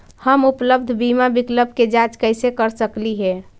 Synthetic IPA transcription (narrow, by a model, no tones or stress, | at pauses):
həmupləbd̪ʱbimabikləb̚ʱked͡ʒat͡ʃkəɪsekəɾsəkliɦɛ